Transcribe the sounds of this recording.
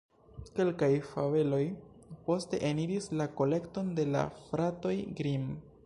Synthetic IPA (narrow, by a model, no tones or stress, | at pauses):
ke̞lkajfave̞lo̞j | po̞ste̞̰ʔeniɾislako̞le̞kto̞nde̞la̰fɾato̞jɡɾim